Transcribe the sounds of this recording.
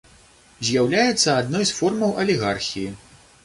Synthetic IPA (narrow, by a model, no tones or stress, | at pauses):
zʲjawlʲajɛt̪sːɐad̪nɔjsfɔrmɐwʔɐlʲiɣarxʲiji